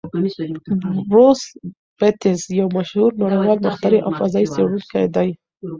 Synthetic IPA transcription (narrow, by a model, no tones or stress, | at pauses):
bɾos | b̥ɪt̪ɪzjawmaʃhuɾnaɽewɑlmaxt̪aɾiʔa̰wfazɑiseɽulkad̪aj